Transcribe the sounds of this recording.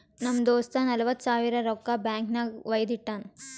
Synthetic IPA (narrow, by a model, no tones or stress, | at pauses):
nɐmd̪oːst̪anɐlɐʋɐt̪ːsaːʋiɾɐɾɔkːabjaːŋknɐʋɐjd̪iʈːaːn